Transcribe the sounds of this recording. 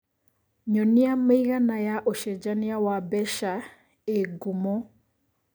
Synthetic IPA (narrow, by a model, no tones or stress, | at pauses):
ɲɔniameiɣanajaʔoʃɛd͡ʒaniawabɛʃa | eɡumɔ